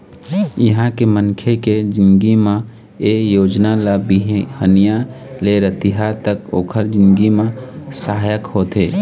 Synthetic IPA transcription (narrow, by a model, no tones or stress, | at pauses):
jəɦãkemənkʰeked͡ʒɪnɡimã | ejoːd͡ʒnalabiɦhənijaleɾət̪iɦat̪əkoːkʰəɾd͡ʒɪ̃nɡimãsaɦajəkhoːt̪eː